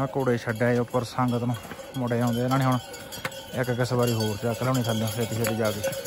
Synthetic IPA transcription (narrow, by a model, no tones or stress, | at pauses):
koːɽeːʃʰəɖɛːeːopːəɾsəŋɡt̪nũː | mʊɽeːãːnd̪eːnãːñiːɦʊɳ | ɪkkɪsbaːɾiːɦoːɾt̪aːklɛːniːt̪ʰənd̪ãːseːt̪ɪseːd̪iːd͡ʒaːɡeː